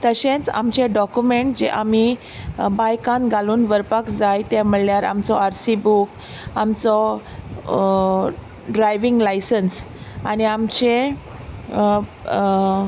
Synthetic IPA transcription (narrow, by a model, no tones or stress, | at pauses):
t̪əɕẽt͡sa̰mt͡ɕeɖɔkjumeɳʈ̚d͡ʑeʔami | bajkãnɡʱaluːnʋəɾpakd͡zajt̪ɛ̃m̤əɭljaɾa̰mt͡sɔaɾsibuk | amt͡sɔ | ɖɾajʋiŋɡlajsəns | añiamt͡ɕe